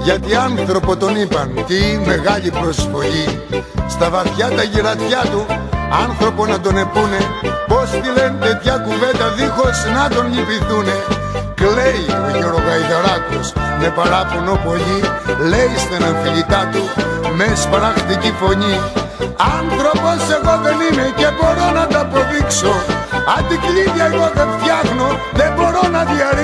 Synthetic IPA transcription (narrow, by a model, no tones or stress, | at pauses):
ʝɐt̪iɐnθɾo̞po̞t̪o̞nipɐnt̪ime̞ɣɐʎipɾo̞sfo̞ʎi | st̪ɐvɐθçɐt̪ɐʝiɾɐt̪çɐt̪uɐnθɾo̞po̞nɐd̪o̞ne̞pune̞po̞st̪ile̞nt̪e̞t̪çɐkuve̞nd̪ɐðixo̞snɐt̪o̞nɲipiθune̞ | kle̞joʝeɾoɣɐjðoɾɐt̪osme̞pɐɾɐponopo̞ʎilejst̪inɐnfiʎit̪ɐt̪u | mespɾɐxt̪icifo̞ɲi | ɐnθɾo̞po̞se̞ɣo̞ðeninece̞bo̞ɾo̞nɐd̪ɐpo̞ðikso | ɐnd̪ikliʝɐeɣoðenfjɐxno | ðebo̞ɾo̞nɐðiɐɾi